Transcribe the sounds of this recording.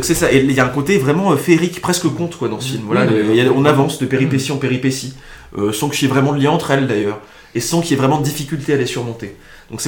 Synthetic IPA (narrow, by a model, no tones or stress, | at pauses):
d̪ɔ̃ksɛsaʔeiljaɛ̃kot̪evʁɛmɑ̃øfeʁikpχɛskəkɔ̃t̪kwad̪ɑ̃səfilmvwalailjaɔ̃navɑ̃sd̪əpeʁipesiɑ̃peʁipesi | øsɑ̃kə̥ʒɛvʁɛmɑ̃d̪əljɛ̃ɑ̃t̪χɛld̪ajœːʁ | esɑ̃kijavʁɛmɑ̃d̪əd̪ifikʲylt̪ealesyʁmɔ̃t̪e | d̪̥ɔ̃ksɛ